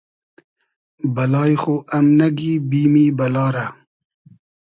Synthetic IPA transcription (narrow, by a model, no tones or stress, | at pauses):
bɐlɑːjxoʔamnaɡibiːmiːbɐlɑːɾa